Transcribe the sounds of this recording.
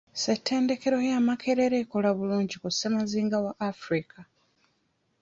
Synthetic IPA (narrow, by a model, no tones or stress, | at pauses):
setʰːe̞ːnde̞ke̞ɾo̞jamakʰe̞ɾe̞ɾeːko̞laβuluːɲɟikusemaziːŋɡawaʔːfɾikʰa